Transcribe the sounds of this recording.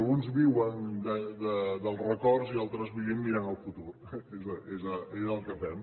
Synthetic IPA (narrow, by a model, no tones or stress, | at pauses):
lˠɣunzβiwənd̪əd̪əd̪əlˠrəkɔɾzialˠt̪ɾəzβuβimmiɾanəlˠfut̪uɾ | ezəezəezəlˠkəfɛm